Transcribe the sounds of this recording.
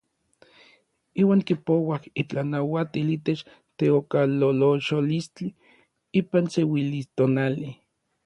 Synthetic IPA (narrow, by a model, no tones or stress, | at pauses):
iːwaːŋkipowahit͡ɬanawat̪iliːt̪et͡ʃ | t̪eokaloloʃolist͡ɬi | iːpansewilist̪onali